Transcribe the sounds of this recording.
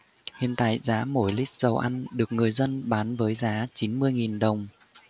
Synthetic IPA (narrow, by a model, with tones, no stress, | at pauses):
hḭ˧˨ənt̪a̰ː˧˨jzaː˨˦mo˧˩jli˦˥k̚z̥ə˨˩wʔa˧jnɗɨ˨˩ək̚ŋɨ˨˩əjzə˧nɓaː˨˦nvəː˨˦jzaː˨˦t͡ɕi˨˦nmɨ˧əjŋi˨˩nɗə˨˩wŋ͡m